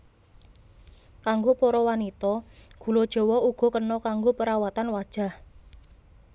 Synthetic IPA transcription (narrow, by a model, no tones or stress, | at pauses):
kaŋɡopɔɾɔwanit̪ɔɡ̥ṳlod̥ʒ̥ɔ̤wɔuɡ̥ɔ̤kənɔkaŋɡopəɾawat̪anwad̥ʒ̥a̤h